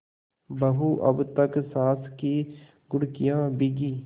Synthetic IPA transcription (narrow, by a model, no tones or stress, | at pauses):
bəɦuʔə̰bt̪əksaːski | ɡʊɽkijãːbiɡiː